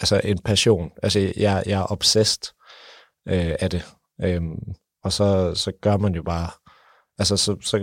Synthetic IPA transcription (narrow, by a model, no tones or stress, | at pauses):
ʔælsɐʔe̝npʰæɕo̝̰ːnʔælsəjʔɑɪjɑæɐʔɒ̽b̥sesd̥ | ʔøæd̥e̝ | ʔøm | ɒ̽sɒ̽sɒ̽ɡ̥ɶɐmænjo̝b̥ɑ̈ː | ʔælsəsɒ̽sɒ̽